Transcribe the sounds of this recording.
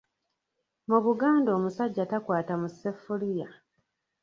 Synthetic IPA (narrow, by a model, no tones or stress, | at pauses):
muβuɡaːndo̞ːmusaɟːatakwaːtamusefulija